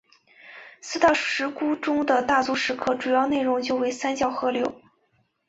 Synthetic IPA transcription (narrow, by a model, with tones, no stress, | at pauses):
sɹ̩˥t̪ɑ˥˩ʊʂɻ̩˧˥ku˥ʈ͡ʂʊ˥ŋd̪ə˨t̪a˥˩t͡swu˥ʂɻ̩˧˥kʰɤ˥˩ʈ͡ʂu˨˩jɑ˥˧ʊne˥˩ɪɻʊ˧˥ŋt͡ɕjo˥˧ʊwe˧˥ɪsa˥nt͡ɕjɑ˥˩ʊxɤ˥ljo˥˩ʊ